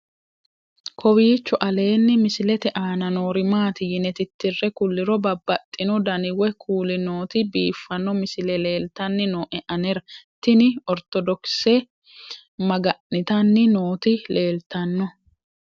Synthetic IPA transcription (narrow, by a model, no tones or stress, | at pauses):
kʰɔwiːt͡ʃːɔʔɐle̞ːnːɪmɪsɪlɛt̪ɛʔaːnɐno̞ːɾɪmaːt̪ɪjɪnɛt̪ɪt̪ːɪrːɛkʊlːɪɾɔbɐbːɐt̪ʼːɪnɔd̪ɐnɪwɛkʰuːlɪno̞ːt̪ɪbiːfːɐnːɔmɪsɪlɛle̞ːlt̪ɐnːɪnoːʔɛʔɐnɛɾɐt̪ːɪnɪɔɾt̪ɔd̪ɔksɛ | mɐɡɐʔːɪt̪ɐnːɪnoːt̪ɪle̞ːlt̪ɐnːɔ